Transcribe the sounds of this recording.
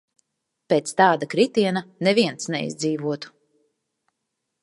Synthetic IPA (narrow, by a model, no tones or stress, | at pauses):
peːt̪st̪aːd̪akɾit̪iɛnanɛviɛnt̪snɛ̰ḭzd̪ziːvuɔt̪u̥